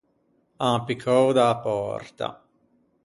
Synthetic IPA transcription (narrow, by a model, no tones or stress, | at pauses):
aːpikʰɔwd̪aːpɔ̰rt̪a̰